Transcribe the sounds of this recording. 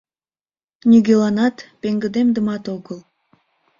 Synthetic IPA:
nʲyɡʲelˠɑnɑt̪peŋɡə̆d̪emd̪ə̆mɑt̪oɣəlˠ

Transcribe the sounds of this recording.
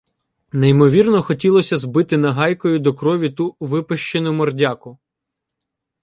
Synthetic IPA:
nejmɔʋʲirnɔxɔtʲilˠɔsʲɐzbɪt̪ɪnɐɦɑjkɔjʊd̪ɔkɾɔʋʲit̪uʋɪpeʃt͡ʃenʊmɔrdʲakʊ

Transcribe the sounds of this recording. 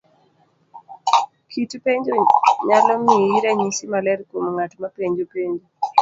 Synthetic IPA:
kʰitupeɲd͡ʒoɲalɔmiiɾɛɲisimalɛɾkomŋatmapeɲd͡ʒopeɲd͡ʒo

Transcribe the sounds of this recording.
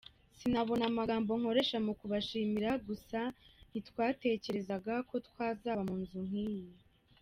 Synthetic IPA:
sinaβo̞namaɡaːmbo̞ŋ̥ho̞ɾe̞ʃamukuβaʃiːmiɾaɡusan̥itkwaːte̞ːce̞ɾe̞zaɡako̞tkwaːzaːβamuːnzuŋ̥hiːje

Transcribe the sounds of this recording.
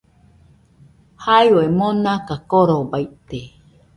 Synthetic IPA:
hajoemonakakoɾobajt̪e

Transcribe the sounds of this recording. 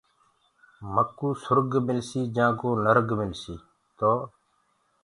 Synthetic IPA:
məkːuːsʊɾɡmɪlsiːd͡ʒãːkoːnəɾɡmɪlsiː | t̪oː

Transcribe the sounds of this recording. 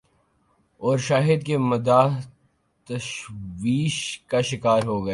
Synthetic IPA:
ɔːɾʃaːɦɪd̪kemɐd̪aːɦ | t̪ɐʃʋiːʃkaʃɪkaːɾɦoɡɐeː

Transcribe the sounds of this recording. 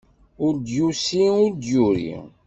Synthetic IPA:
ʊɾd̪jusiʊɾd̪juɾḭ

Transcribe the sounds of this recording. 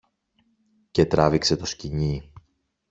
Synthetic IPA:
ce̞t̪ɾɐvikse̞t̪o̞sciɲi

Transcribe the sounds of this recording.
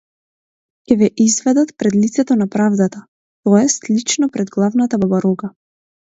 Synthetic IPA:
cʲɛvɛʔizvɛd̪at̪pɾɛd̪lit̪sɛt̪ɔnapɾavd̪at̪a | t̪ɔjɛst̪lit͡ʃnɔpɾɛd̪ɡlˠavnat̪ababaɾɔɡa

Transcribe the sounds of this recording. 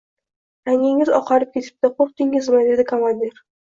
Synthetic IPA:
aŋɪŋɪzɒqʰɑɾɪp̚kʲʰe̞t̪ʰɪ̥p̚t̪ɪqʰoɾt̪ɪŋɪzmɪd̪e̞d̪ɪkʰomand̪eɾ

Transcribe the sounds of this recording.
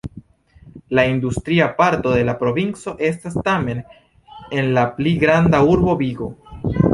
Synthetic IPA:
laindustɾiapaɾto̞d̪e̞lapɾo̞vint͡so̞ʔe̞stastame̞n | e̞nlapliɡɾandauɾbo̞biɡo̞

